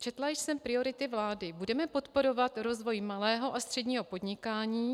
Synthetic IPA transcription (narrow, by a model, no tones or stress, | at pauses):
t͡ʃɛt̪lajɪʃsɛmpɾɪo̞ɾɪt̪ɪvlaːdɪbudɛmɛpo̞t̪po̞ɾo̞vat̪ɾo̞zvo̞jmalɛːɦo̞ʔast̪r̥ɛdɲiːɦo̞po̞dɲɪkaːɲiː